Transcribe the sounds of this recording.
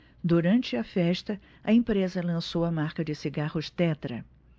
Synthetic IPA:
d̪uɾɐ̃nt͡ʃɪɐfɛʃt̪ɐ | ɐẽpɾezɐlɐ̃sowɐmaɾkɐd͡ʒɪsiɡahʊʃt̪ɛt̪ɾɐ

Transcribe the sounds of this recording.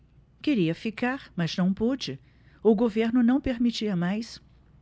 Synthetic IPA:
keɾiɐfikaɾmɐznɐ̃w̃pod͡ʒɪ | ʊɡoveɾnʊnɐ̃w̃peɾmit͡ʃiɐmajs

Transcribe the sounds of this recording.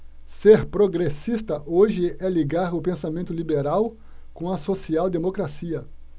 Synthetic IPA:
seɾpɾoɡɾesist̪ɐʔoʒɪɛliɡaɾʊpẽsamẽnt̪ʊlibeɾaw | kõɐsosiawd̪emokɾasiɐ

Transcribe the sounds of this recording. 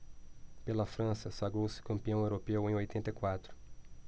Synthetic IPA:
pelɐfɾɐ̃sɐsaɡɾowsɪ̥kɐ̃mpiɐ̃w̃ewɾopewẽj̃ojt̪ẽnt̪ɐjkwat̪ɾʊ̥

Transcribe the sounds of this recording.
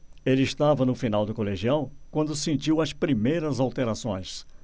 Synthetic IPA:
elɪːst̪avɐnʊfinawd̪ʊkoleʒiãw̃kwɐ̃nd̪ʊsẽnt͡ʃiwɐspɾimejɾɐzawt̪eɾasõj̃s

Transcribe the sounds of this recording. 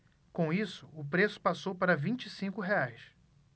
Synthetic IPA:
kõw̃isʊʊpɾesʊ̥pasowpaɾɐvĩt͡ʃisĩŋkʊɦeajs

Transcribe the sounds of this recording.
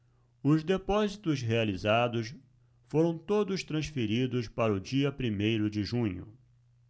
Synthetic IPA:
ʊzd̪epɔzit̪ʊsɦealizad̪ʊs | foɾɐ̃w̃t̪od̪ʊst̪ɾɐ̃sfeɾid̪ʊspaɾɐʊd͡ʒiɐpɾimejɾʊd͡ʒɪʒũɲʊ̰

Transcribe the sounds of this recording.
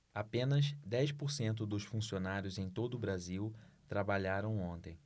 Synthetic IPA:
apẽnɐzd̪ɛjʃpʊɾsẽnt̪ʊd̪ʊsfũsionaɾjʊzẽj̃t̪od̪ʊːbɾaziw | t̪ɾabaʎaɾɐ̃w̃õnt̪ẽj̃

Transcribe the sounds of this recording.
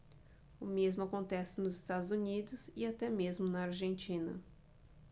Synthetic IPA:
ʊmezmʊakõnt̪ɛsɪnʊzɪst̪ad̪ʊzunid̪ʊszɪat̪ɛmezmʊnɐaɾʒẽnt͡ʃĩnɐ̰

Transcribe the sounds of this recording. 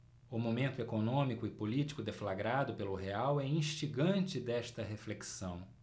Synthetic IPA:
ʊmomẽnt̪ʊekonõmikʊɪpolit͡ʃi̥kʊd̪eflaɡɾad̪ʊpelʊɦeawɛĩʃt͡ʃiɡɐ̃nt͡ʃɪd̪ɛʃt̪ɐɦefleksɐ̃w̃

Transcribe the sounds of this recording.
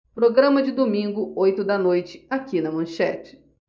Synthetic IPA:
pɾoɡɾɐ̃mɐd͡ʒɪd̪omĩŋɡʊojt̪ʊd̪ɐnojt͡ʃɪ̥akinɐmɐ̃ʃɛ̰t͡ʃɪ̥

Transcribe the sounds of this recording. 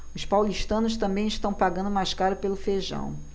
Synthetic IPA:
ʊspawliʃt̪ɐ̃nʊs̬t̪ɐ̃mbẽj̃ɪʃt̪ɐ̃w̃paɡɐ̃nd̪ʊmajʃkaɾɐpelʊfeʒɐ̰̃w̃

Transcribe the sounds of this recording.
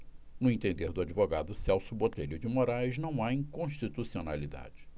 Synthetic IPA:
nʊẽt̪ẽnd̪eɾd̪ʊad͡ʒivoɡa̰d̪ʊsɛwsʊbot̪eʎʊd͡ʒɪmoɾajznɐ̃w̃aĩkõʃt͡ʃit̪usiona̰lid̪a̰d͡ʒɪ

